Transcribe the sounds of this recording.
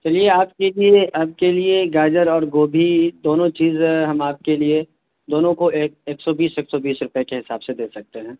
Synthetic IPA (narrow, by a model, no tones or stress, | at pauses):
t͡ʃɐlieaːp̚kelieʔaːp̚kelieɡaːd͡ʒəɾɔːɾɡoːbʱid̪oːnõt͡ʃiːzɦɐmaːp̚kelie | d̪oːnõkoeːeːksɔbiːseːksɔbiːsɾʊpekeɦɪsaːbsed̪eːsɐk̚t̪eɦɛ̃ː